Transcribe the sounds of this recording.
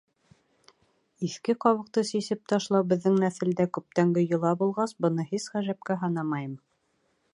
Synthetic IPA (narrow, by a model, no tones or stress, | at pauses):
iθkɘqɑβɤ̆q̚t̪ɤsisɘp̚t̪ɑʃlˠɑwbɘ̆ðːɘŋnæθɘ̆ld̪ækʉp̚t̪æŋɡɘjɤ̆lˠɑbulˠʁɑsbɤ̆nɤhisʁæʒæp̚kæɦɑnɑmɑjɤm